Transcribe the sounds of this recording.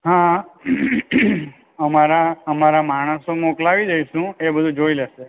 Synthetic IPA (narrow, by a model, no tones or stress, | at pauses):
ɦã | əmaɾaəmaɾamaɽ̃əsomoklaʋid͡ʒəiʃũebəd̪ʱũd͡ʒoileʃe